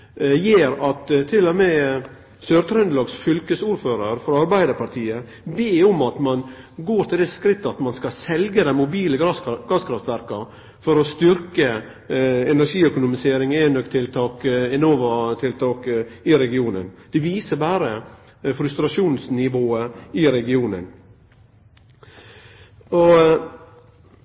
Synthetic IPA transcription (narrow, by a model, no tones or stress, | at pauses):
jeːɾɑt̪t̪ʰːɪlːɔmɛ | søːɾt̪ʰɾɛnd̪lɑːɡsfʏlkəsuːɾføːɾəɾfɔɾɑɾbæɪd̪əɾpʰɑɾʈ̪ʰiːə | beːʊmɑt̪mɑn | ɡoːɾʈ̪ʰɪld̪ɛskɾɪt̪ːəɑt̪mɑnskɑsɛlɡəd̪ɛnmʊbiːləɡɡ̥ɑskʰɾɑft̪ʋæɾkɑ | fɔɾɔst̪ʏɾkə | ɛnæɾʂiːœkʊnʊmɪseːɾɪŋenœkt̪ʰɪlt̪ʰɑːkɛnoːʋɑt̪ʰɪlt̪ʰɑːkɪɾɛɡɪuːnə̰nd̪̥ɛʋiːsəbæːɾə | fɾʉst̪ɾɑʂuːnsnɪʋoːəɪɾɛɡɪuːnə̰n | ɔ